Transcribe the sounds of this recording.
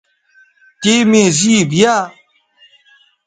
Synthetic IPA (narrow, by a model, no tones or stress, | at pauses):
kemẽːziibijaː